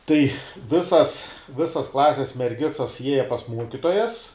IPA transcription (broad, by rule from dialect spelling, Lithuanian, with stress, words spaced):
tɐɪ ˈʋʲɪsɐs ˈʋʲɪsɐs ˈklˠɑːsʲɛs mʲɛrʲˈɡʲɪt͡sɐs ˈjiɛjɛ pɐs ˈmuɔkʲɪtoːjɛs